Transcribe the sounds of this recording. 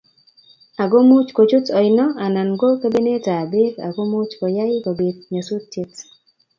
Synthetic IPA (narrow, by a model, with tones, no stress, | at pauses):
a˨ɡo˦mʊ˦t͡ʃko˨t͡ʃʊ˦tɔ˨ɪnɔ˦a˨na˨nɡo˦ke˦be˦ne˦ta˨be˦ɾa̰˨ɡo˦mu˦t͡ʃkɔ˨ja˦jko˨be˨t̚ɲa˨su˦tte˦t